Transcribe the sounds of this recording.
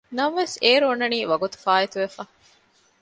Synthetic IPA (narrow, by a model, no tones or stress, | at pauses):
nɐmʋeseːɾoːnːɐniːʋɐɡut̪u̥faːit̪uʋefɐ